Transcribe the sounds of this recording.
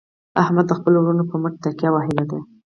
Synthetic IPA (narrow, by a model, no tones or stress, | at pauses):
ahmad̪ːəxpəlowɽunopəməʈ̚t̪aɾkjawɑɦɪlad̪a